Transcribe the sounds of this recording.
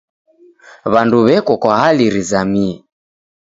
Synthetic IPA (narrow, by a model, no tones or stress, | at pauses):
βanduβɛkɔkwaɦaliɾizamiɛ